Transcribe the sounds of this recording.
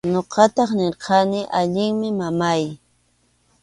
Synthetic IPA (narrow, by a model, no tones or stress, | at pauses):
ɲoqɑt̪ɑχnɪɾqɑnɪʔaʎɪŋmɪmamaj